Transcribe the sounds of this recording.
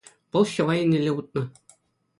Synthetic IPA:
b̥ɤ̆lˠɕɤ̆wɑjɘnɘ̆lʲɘut̪̚nɤ

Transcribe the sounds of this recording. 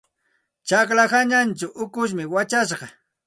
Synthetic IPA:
t͡ʃɑklaxaɲant͡ʃʊʔʊkʊʃ̬mɪwat͡ʃaʃɢɑ

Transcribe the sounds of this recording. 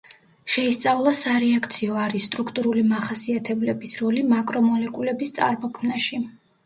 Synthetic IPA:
ʃɛist̪sʼavlˠasaɾɛakʰt̪sʰiɔaɾisːt̪ʼɾukʰt̪ʼuɾulimaχasiat̪ʰɛblɛbisɾɔlimakʼɾɔmɔlɛkʼulɛbist̪sʼa̰ɾmɔkʰmnaʃi

